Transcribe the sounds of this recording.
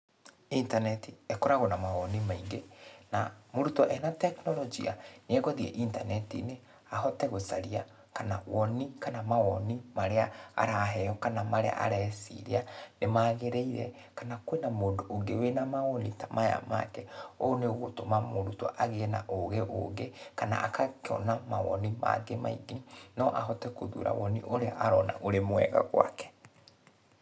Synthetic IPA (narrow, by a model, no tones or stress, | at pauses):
intanɛtiekɔɾaɣɔnamaɣɔnimaiŋɡenamoɾutɔʔɛnatɛknɔlɔd͡ʒia̰neɛɣɔðiɛ̰ʔintanɛtḭne | aɦɔtɛɣosaɾia | kana̰wɔnikanamaɣɔnimaɾeaa̰ɾaɦɛjɔkanamaɾḛa̰ʔa̰ɾɛsḭɾeanemaːɣeɾeiɾɛ | kanakwenamoːndoʔːŋɡewenamaɔnitamaja̰ma̰kɛoneɣotomamoɾutoʔaɣenaʔoɣeʔo̰ŋɡekana̰ʔakakɔ̰namaɣɔ̰nima̰ɡema̰ḭɡenɔʔaɦɔtɛkoðṵɾa̰wɔnḭʔoɾeʔaɾɔna̰ʔoɾemwɛ̰ɣa̰ɣwa̰kɛ̥